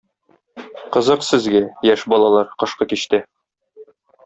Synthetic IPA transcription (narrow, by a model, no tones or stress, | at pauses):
qɤ̆zɤqsɘ̆zɡæjæʃbɒlˠɑlˠɑɾqɤ̆ʃqɤkiɕt̪ɘ